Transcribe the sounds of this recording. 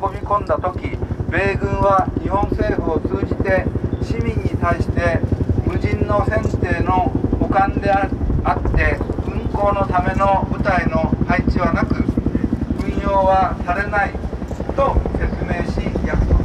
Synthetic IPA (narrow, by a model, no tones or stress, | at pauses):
komʲikõ̞nd̪at̪o̞kʲibe̞ːɡɯ̟̃ɰ̃βaɲihõ̞ñse̞ːɸɯ̟o̞t͡sɨːʑit̪e̞ɕimʲĩɲ̟ːit̪aiɕi̥t̪e̞mɯ̟ʑĩnːo̞sẽ̞nt̪e̞ːno̞ɡokãnd̪e̞at̪ːe̞ɯ̟̃ŋko̞ːno̞t̪ame̞no̞bɯ̟t̪aino̞hait͡ɕiβanakɯ̟ | ɯ̟̃ɰ̃jo̞ːβasaɾe̞nait̪o̞se̞t͡sɨme̞ːɕijasɨ̥